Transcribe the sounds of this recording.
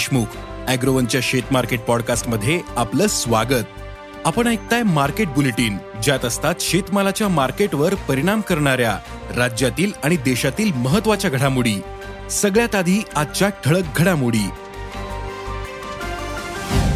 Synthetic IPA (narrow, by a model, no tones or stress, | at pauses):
ʂmuk | æɡɾoʋənt͡ɕjaɕet̪maɾkeʈ̚pɔɽkasʈməd̪ʱːjeapləːsʋaɡət̪ | apəɳ̃ajk̚t̪ajmaɾkeʈ̚buleʈiːn | d͡ʑjat̪əst̪at̪ɕet̪malat͡ɕjamaɾkeʈʋəɾpəɾiɽ̃amkəɾɳ̃aɾja | ɾad͡ʑjat̪iːlaɽ̃id̪eɕat̪iːlməɦət̪ːʋat͡ɕjaɡʱəɽamuɽiː | səɡɭjat̪ad̪ʱiːad̪̚t͡ɕjaʈʰəɭək̚ɡʱəɽamuɽiː